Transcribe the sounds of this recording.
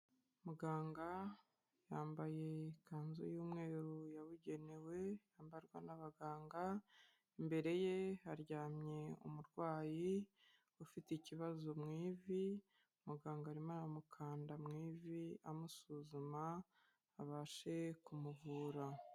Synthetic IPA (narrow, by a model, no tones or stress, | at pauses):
muɡaːŋɡa | jaːmbaje̞kaːnzṵjuːmŋe̞ːɾujaβuɟe̞newe̞jaːmbaɾɡwa̰naβaɡaːŋɡa | imbe̞ɾe̞je̞aɾɟaːmɲe̞ṵmuɾɡwaːji | ufiteiciβazomŋiːvi | muɡaːŋɡaːɾimanamukʰaːndamŋiːviamusuzumaː | βaːʃe̞kumuvuːɾa